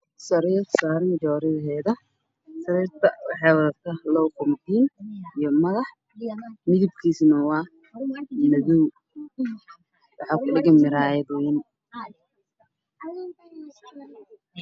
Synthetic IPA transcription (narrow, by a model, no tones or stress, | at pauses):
sɐɾiːrsaːɾnd͡ʒɔːɾɪðɦɛːðɐ | sɐɾiːrt̪ʰɐwħɛwɐt̪ʰɐlɔwkʰɔmd̪iːnijɞmɐɣɑħ | mɪðib̚kʰiːsnɐwɑː | nɐðɔw | wɑħɑːkʰʊɗɪɣɐmɪɾaːjɛd̪wwɛn